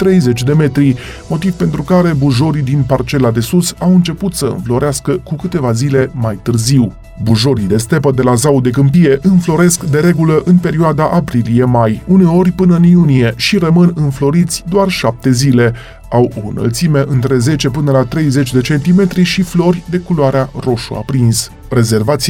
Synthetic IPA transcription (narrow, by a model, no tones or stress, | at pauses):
t̪ɾe̞jze̞t͡ʃʲd̪e̞me̞t̪ɾi | mo̞t̪ivpe̞nt̪ɾukaɾe̞buʒo̞ɾid̪inpart͡ʃe̞lad̪e̞susawɨnt͡ʃe̞put̪səɨ̰nflo̞ɾeaskəkukɨt̪e̞vazile̞majt̪ɨrziw | buʒo̞ɾid̪e̞st̪e̞pəd̪e̞lazawd̪e̞kɨmpije̞ʔɨnflo̞ɾe̞skd̪e̞ɾe̞ɡuləʔɨnpe̞ɾioad̪aʔapɾilije̞majune̞o̞rʲpɨnəɨnjunije̞ʃirəmɨnɨnflo̞ɾit̪sʲd̪oarʃap̚t̪e̞zile̞ | awo̞̰ɨ̰nə̰lt̪sime̞ʔɨnt̪ɾe̞ze̞t͡ʃe̞pɨnəlat̪ɾejze̞t͡ʃʲd̪e̞t͡ʃe̞nt̪ime̞t̪ɾiʃiflo̞rʲd̪e̞kulowaɾearo̞ʃṵa̰pɾins | ɾe̞ze̞rvat̪s